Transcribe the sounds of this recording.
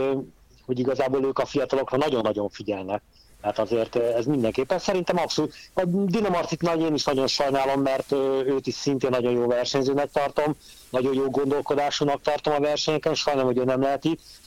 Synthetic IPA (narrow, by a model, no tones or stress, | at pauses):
ho̞ɟiɡɒzaːboːløːkɒfijɒt̪ɒlo̞krɒnɒɟo̞nːɒɟo̞ɱfiɟɛlnɛk̚ | t̪ɛɦat̪ɒzeːrt̪ɛzmind̪ɛŋkeːpːɛnsɛɾint̪ɛmɒpsolut̪ɒd̪inɒmɒrt̪sit̪nɒjeːniʃnɒɟo̞nʃɒjnaːlo̞mːɛrt̪ːøːt̪iʃsint̪eːnːɒɟo̞joːvɛrʃɛɲzøːnɛk̚t̪ɒrt̪o̞m | nɒɟo̞joːɡo̞n̪d̪o̞lko̞d̪aːʃunɒk̚t̪ɒrt̪o̞mɒvɛrʃɛɲɛkɛnʃɒjnɛmho̞ɟøːnɛmlɛɦɛt̪it̪